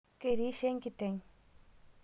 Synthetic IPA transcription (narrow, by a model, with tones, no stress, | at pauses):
keɾi˦ʃe˦ŋkit̪e˧ŋ